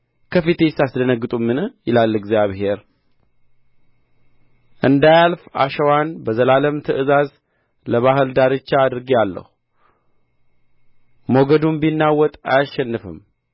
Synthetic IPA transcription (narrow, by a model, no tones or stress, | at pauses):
kʰəfit̪esasd̪ənəɡɨt̪ʼumːɨnjɪlalːɨɡzjaβhe̞ɾ | ʔɨnd̪ajalfa̰ʃəwanbəzəlaləmt̪ʰəʔɨzaz | ləβahɨld̪aɾɨt͡ʃːaːd̪ɨɾɡialːə̰hu | moɡəd̪umbinːawːɔt̪ʼa̰jaʃːɛnːɨfɨ̰m